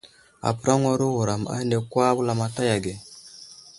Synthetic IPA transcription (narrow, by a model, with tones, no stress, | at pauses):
a̰˨pu˦ɾa˦ŋo˦ɾu˦wu˨ɾa˨ma̰˦nde˨kwa˦bu˦la˦˨ma˨ta˦ja˨ɡe˨